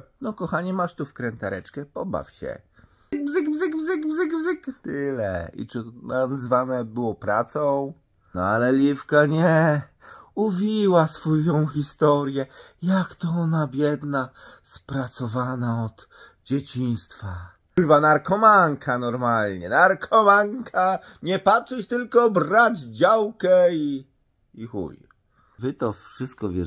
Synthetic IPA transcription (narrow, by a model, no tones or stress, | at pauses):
nɔkɔxaɲɛmaʂt̪ufkɾɛnt̪aɾɛt͡ʂkɛpɔba̰fɕɛ̰ | ɡbzɘɡbzɘɡbzɘɡbzɘɡbzɘkt̪ɪlɛ̰ḭt͡ʂɨnazvanɛbɘwɔpɾat̪sɔ̃w̃ | nɔ̰alɛlʲifkaɲɛ | uvʲiwasfɔjɔ̃w̃xʲist̪ɔɾjɛjakt̪ɔɔnabʲjɛd̪naspɾat̪sɔvanaɔd̪̥ | d͡ʑet͡ɕĩnst̪fa | vanaɾkɔmaŋkʰanɔɾmalɲɛnaɾkʰɔmaŋkʰa | ɲɛpatʂɛt͡ɕt̪ɘlkɔbɾad͡ʑd͡ʑawkɛi | ixṵj | vɘt̪ɔfʂɘst̪̚kɔvʲjɛ